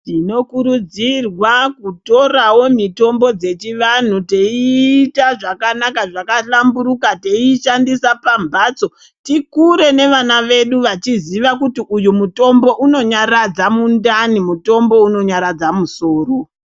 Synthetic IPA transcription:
tino̞kuɾud͡zirwakuto̞rawo̞mito̞mbo̞d͡ze̞t͡ʃiʋan̤ute̞iːtaʐakanakaʐakaɬambuɾukateiʃandisapambaːt͡so̞ | tikuɾe̞ne̞ʋanaʋe̞ɗuʋat͡ʃiziʋakutiʔujumuto̞mbo̞ʔuno̞ɲarad͡zamundanimuto̞mbo̞uno̞ɲaɾad͡zamuso̞ːro̞

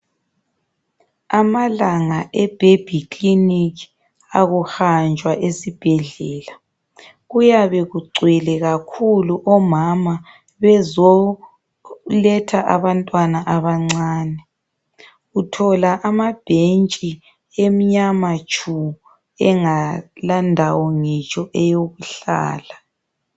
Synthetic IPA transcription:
amalaŋaʔɛb̥ʱeb̥ʱikʼliniki | aɣuxand͡ʒʱwaʔesib̥ʱɛɮɛːla | ɣujaβɛɣuɡ͡ǀʱwɛlɛɣakʰuluʔɔmama | βɛzɔ | lɛtʰaʔaβantʼwanaʔaβaŋ͡ǀaːnɛ | ɣutʰɔlaʔamab̥ʱent͡ʃʼi | em̩ɲamat͡ʃʰʼu | ɛŋalandʱawɔŋɛt͡ʃʼɔʔɛjoɣuɬa̰ːla

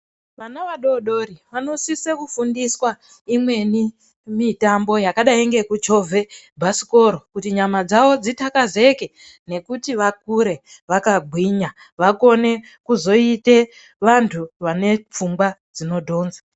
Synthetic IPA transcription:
ʋanaʋaɗo̞ɗo̞ɾiʋano̞sisekufundiswa | imwe̞ni | mitambo̞jakaɗaiŋɡe̞kud͡ʒo̞vʱe̞bʱasi̥ko̞ɾo̞kutiɲamad͡zaʋo̞d͡zitakaze̞ke̞ | ne̞kutiʋak̚uɾe̞ | ʋakaɡʱwiɲa | ʋako̞ne̞ | kuzo̞ite̞ | ʋantʰuʋane̞p͡fumɡwad͡zino̞dʱo̞ːnza

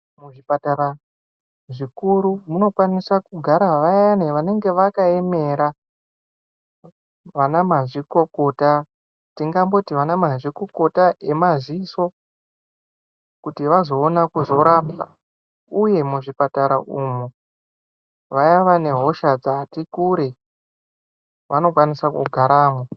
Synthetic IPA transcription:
muʐipataɾa | ʐikuɾumuno̞kwanisakuɡʱaɾaʋajaneʋane̞ŋɡe̞ʋakae̞me̞ɾa | ʋanamaʐiko̞ko̞ta | tiŋɡambo̞tiʋanamaʐiko̞ko̞tae̞maziso̞ | kutiʋazo̞ːnakuzo̞ɾapa̰ | uje̞muʐipataɾaʔumu | ʋajaʋane̞ɦo̞ʃad͡zatikuɾe̞ | ʋano̞kwanisakṵɡʱaɾaːmo

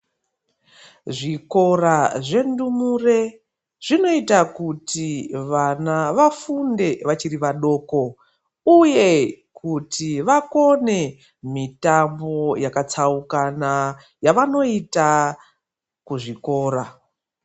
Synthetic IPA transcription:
ʐiko̞raʐe̞ndumure̞ | ʐ̥ino̞itakutiʋanaʋafunde̞ʋat͡ʃiɾiʋaɗo̞ːko̞ | uje̞ | kutʰiʋako̞ne̞ | mitambo̞jakat͡saukana | jaʋano̞ita | kuʐiko̞ːɾa

